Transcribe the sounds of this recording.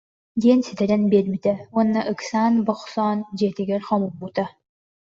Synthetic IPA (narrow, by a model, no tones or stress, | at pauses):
d̪iɛnsit̪ɛɾɛnbiːlmit̪ɛuɔnːɐʔɯksaːnbɔχsɔːnd͡ʑɛːt̪iɡɛɾχɔmubːut̪a